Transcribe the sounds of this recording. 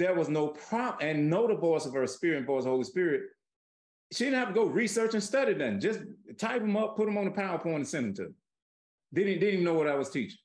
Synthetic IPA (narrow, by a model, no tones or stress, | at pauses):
ðɨt̚wʌznoʊpʰɹ̥ɑpɨ̃nːoʊɾəvɔɪsʌv̥ə˞spɪɹɨ̃nvɔɪshoʊlˠispɪɹɪt̚ | ʃidɪdⁿn̩hæftɨɡoʊɹisɜ˞t͡ʃɨ̃nstʌɾid̪̚ðɨ̃nd͡ʒʌstʰaɪpɨ̃mʌpʰːʊɾɨ̃mə̃nðəpʰaʊə˞pʰɔ̃ɪ̃ñɨ̃nsɛ̃nθɪ̃ŋtʰɨ̰ | dɪdⁿn̩dɪdnivnːoʊwʌɾaɪwʌz̥tʰit͡ʃɪŋ